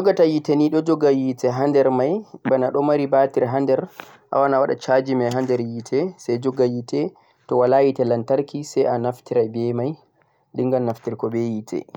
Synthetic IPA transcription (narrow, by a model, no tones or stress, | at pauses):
d͡ʒɔɡatajiteniɗɔd͡ʒɔɡajitɛɦandɛɾmajbanaɗɔmaɾibatiɾɦandɛɾ | ʔa̰wanawaɗa̰t͡ʃad͡ʒimajɦandɛɾjitʰɛsɛjd͡ʒɔɡajitɛ | tɔwalajitɛlantaɾkisɛjanaftiɾajbɛmaj | liŋɡannːaftiɾkɔbejitʰɛ̰